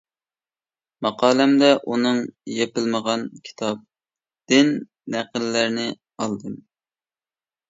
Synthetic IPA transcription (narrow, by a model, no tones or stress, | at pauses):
mɑqʰɑːlæmd̪ɛʔunɨŋjepɪlməʁɑnkʲʰi̥t̪ʰɑp̚ | d̪̥ɪnː | æqəlːæɾnɪ | ɑlˠd̪ɨm